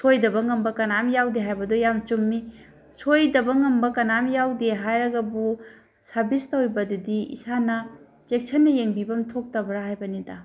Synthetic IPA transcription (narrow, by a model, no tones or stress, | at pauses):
sʰojdɐbɐŋɐmbɐkɐnamjawdeɦajbɐdojamt͡ʃumːi | sʰojdɐbɐŋɐmbɐkɐnamjawdeɦajɾɐɡɐbu | sɐɾbistɐwibɐdudiḭsanɐ | zek̚sʰɐnːɐjeŋbibɐmtʰok̚tɐbɾahajbɐnida